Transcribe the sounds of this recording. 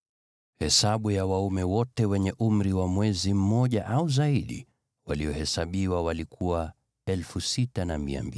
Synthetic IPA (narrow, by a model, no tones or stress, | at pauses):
hɛsaɓujawaumɛwɔtɛwɛɲɛʔum̩ɾiwamwɛzim̩mɔʄaʔauzaiɗḭ | waliɔhɛsaɓiwawalikʰuwa | ɛlfusitanamia̰mbi